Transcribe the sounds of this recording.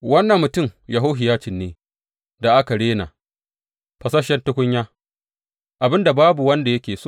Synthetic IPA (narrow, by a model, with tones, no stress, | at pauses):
wɐ˦nːɐ˨mːʊ˨tʊ˦˨mjɐ˨ɦoː˦ɦɪ˨jaː˦t͡ʃɪ˨nːeː˨˦ | da˨ʔa˦ka˨ɽeː˦na̰˨ | ɸɐ˨sɐ˦ʃɛ˦ntʊ˦kʷʊ˦ɲjaː˦ | ʔa˨bɪ˦nda˨baː˦bu˨wɐ˦nda˨jɐ˦kʲeː˨soː˦˨